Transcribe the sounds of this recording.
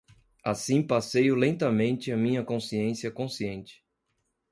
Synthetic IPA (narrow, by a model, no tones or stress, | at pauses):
asĩpasejʊlẽnt̪ɐmẽnt͡ʃɪɐmĩɲɐkõsiẽsiɐkõsiẽnt͡ʃɪ̥